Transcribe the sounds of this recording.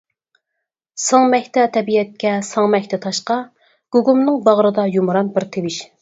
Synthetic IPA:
sɑŋmɛkʲt̪ʰɛt̪ʰɛbiɛt̪̚kʲɛsɑŋmɛkʲt̪ʰɛt̪ʰɑʃqɑ | ɡ̥uɡumnɨŋbɑʁɾɨd̪ɑjumɾɑnbɪɾt̪ʰewɪʃ

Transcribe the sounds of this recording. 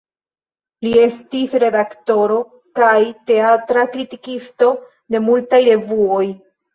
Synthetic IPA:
lie̞stisɾe̞dakto̞ɾo̞ | kajte̞atɾakɾitikisto̞ | de̞multajɾe̞vuo̞j

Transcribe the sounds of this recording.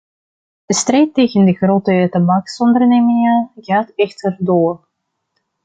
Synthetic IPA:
əstrejtːejɣəndəχroːtətabɑksɔndərneːmɪŋəɣaːtɛxtərdoːr

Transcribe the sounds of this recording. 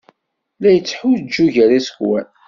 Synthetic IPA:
læjət͡sːħud͡ʒːuʝæɾisə̥kwæ̰n

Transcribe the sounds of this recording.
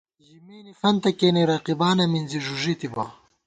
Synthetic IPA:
ʑimiːnifɐnt̪ɐkeːniɾɐqibaːnɐminziʐuʐit̪iba̰ː

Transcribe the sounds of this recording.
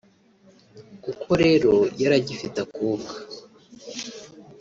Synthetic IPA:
kukʰo̞ɾe̞ːɾo̞jaɾaɟifitakuːmɡa

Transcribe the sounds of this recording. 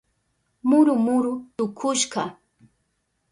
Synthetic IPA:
mʊɾʊmʊɾʊt̪ʊkʰʊʃɢɑ

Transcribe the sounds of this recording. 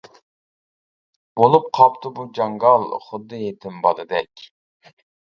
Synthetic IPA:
bolˠup̚qʰɑpt̪ʰɨbud͡ʒɑŋɡɑlˠχʊd̪ːɨjet̪ʰɪmbɑd̪ɨd̪ɛkʲ

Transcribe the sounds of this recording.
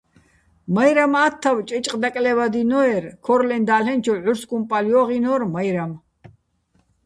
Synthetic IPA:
majɾamat̪ʰːawt͡ʃʼɛt͡ʃʼqʼd̪akʼlɛvad̪inɔɛɾkʰɔɾlɛnd̪aːlɛnt͡ʃʰɔʕuɾskʼumpʼaljɔʁinɔɾmajɾam

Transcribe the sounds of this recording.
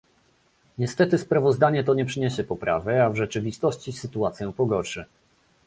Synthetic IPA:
ɲɛst̪ɛt̪ɘspɾavɔzd̪aɲɛt̪ɔɲɛpʂɘɲɛɕɛpɔpɾʔa̰vɛavʐɛt͡ʂɘvʲist̪ɔɕt͡ɕisɘt̪uat̪sʲjɛ̃pɔɡɔɾʂɛ

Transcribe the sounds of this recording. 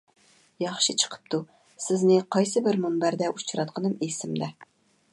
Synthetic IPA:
jɑχʃɨt͡ʃʰə̥qʰə̥p̚t̪ʰu | sɪznɪqʰɑjsɨbɪɾmunbæɾd̪ɛʔut͡ʃʰɾɑt̪̚qʰənɨmesɪmd̪ɛ

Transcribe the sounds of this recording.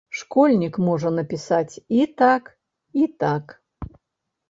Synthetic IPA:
ʂkɔlʲnʲikmɔʐɐnɐpʲisat͡sʲit̪ak | it̪ak

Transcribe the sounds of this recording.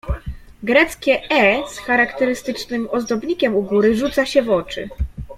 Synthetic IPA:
ɡɾɛt̪skʲɛʔɛsxaɾakt̪ɛɾɘst̪ɘt͡ʂnɘmɔzd̪ɔbɲikʲɛmuɡuɾɘʐut̪saɕɛvɔt͡ʂɘ̰

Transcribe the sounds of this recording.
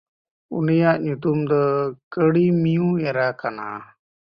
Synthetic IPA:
ṵnijaʔɲut̪umd̪ɔkəɽimijũɛɾakana̰

